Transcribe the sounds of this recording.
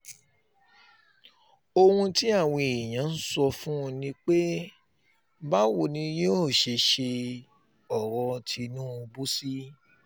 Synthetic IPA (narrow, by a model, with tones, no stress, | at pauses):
o˧hũ˧ti˦a˦˨w̃ɔ̃˧i˨j̃ã˨˦n̩˦sɔ˧fũ˦˧nĩ˧k͡pe˦ | ba˦wo˨nĩ˧jo˦˨ʃe˧ʃe˧ | ɔ˨ɾɔ˧tʰi˧nũ˦˧bu˦si˦